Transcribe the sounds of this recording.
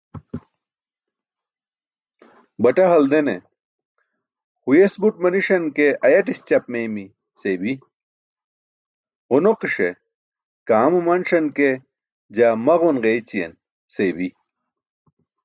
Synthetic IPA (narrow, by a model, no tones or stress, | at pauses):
bɐʈɐɦɐld̪enḛ | hujesbuʈ̚mɐniʂɐnkeɐjɐʈist͡ɕɐp̚memi | sebi | ʁunoqiʂe | kaːmumɐnʂɐnke | d͡ʑamɐʁunʁejt͡ɕijḛn | sebi